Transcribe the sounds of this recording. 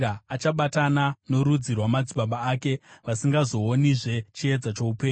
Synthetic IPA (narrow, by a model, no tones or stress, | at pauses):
aat͡ʃaɓatanano̞ɾud͡zirwamad͡ziɓaɓaːke̞ʋasiŋɡazo̞ːniʐe̞t͡ʃie̞d͡zat͡ʃoupeː